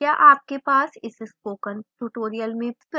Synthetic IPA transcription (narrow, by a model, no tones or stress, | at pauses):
jaʔaːp̚kepaːsɪsspoːkənʈuʈoːɾijəlmẽpɪ